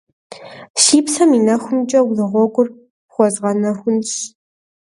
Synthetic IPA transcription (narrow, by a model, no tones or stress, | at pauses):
ʃiːpsɐmiːnɐxʷʊmt͡ʃʼɐwlɨʁʷɔɡʷʼʊr | χʷɔzʁɐnɐxʷʊnɕ